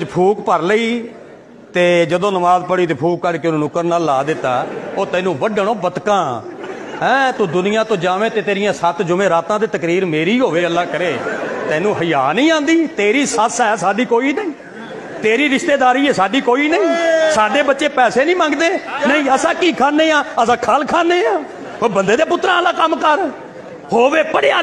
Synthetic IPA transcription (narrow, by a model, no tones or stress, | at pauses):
d͡ʒpʰuːkpəɾləiː | t̪eːd͡ʒəd̪õːnəmaːzpəɽiːt̪̬eːpʰuːkːəɾkɪnũːnʊkəɾnaːlːaːd̪ɪt̪ːa̰ːoːt̪ɛ̃ːnũːbəɖəɳõːbət̪kãː | ɦɛ̃ːt̪uːd̪ʊnɪjãːt̪õːd͡ʒaːʋẽːt̪eːt̪eːɾɪjãːsət̪d͡ʒʊmẽːɾaːt̪ãːd̪eːt̪əkɾiːɾmeːɾiːɦoːʋeːəlːaːkəɾeːt̪ɛ̃ːnũːɦəjaːnĩːãːnd̪iːt̪eːɾiːsəsɦɛːsaːɖiːkoːiːnəĩː | t̪eːɾiːɾɪʃt̪eːd̪aːɾiːɛːsaːɖiːkoːiːnəĩːsaːɖeːbətːʃeːpɛːseːnĩːmãːŋɡd̪eːnəĩːəsãːkiːkʰaːneːãːəsãːkʰalkʰaːneːãː | oːbənd̪eːd̪eːpʊt̪ːɾãːlãːkəmkəɾ | hoːʋeːpəɽeaː